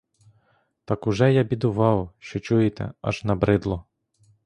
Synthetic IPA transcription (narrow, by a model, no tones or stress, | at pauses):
t̪ɑkʊʒɛjabʲid̪ʊʋɑwʃt͡ʃɔt͡ʃujɪt̪ɛ̰ɐ̰ʒnɐbɾɪd̪lˠɔ